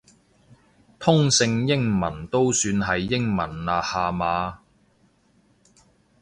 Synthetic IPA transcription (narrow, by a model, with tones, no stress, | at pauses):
t̪ʰʊ˥ŋsɪ˧ŋjɪ˥ŋmɐ̰˨˩nt̪o˥wsyː˧nɦɐ˨jːɪ˥ŋmɐ˨˩nlaː˨haː˨maː˨˧